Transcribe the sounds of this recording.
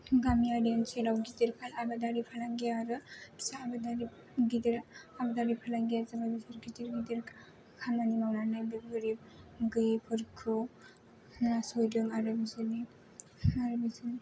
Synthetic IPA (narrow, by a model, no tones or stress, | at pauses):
ɡamiadenselawɡidiɾpʰalabadaɾipʰalaŋɡijaɾɯsaːbadaɾi | ɡidiɾabadaɾipʰalaŋɡijazamabisaɾɡidiɾɡidiɾ | kʰamanimawnanajdɯɡɯɾip̚ɡɯjpʰɯɾkʰɯ | nasojdɯŋaɾɯbizɯni | aɾɯbizɯn